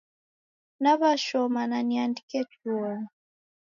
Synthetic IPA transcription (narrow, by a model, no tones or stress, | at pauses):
naβaʃɔmananiandikɛt͡ʃɔma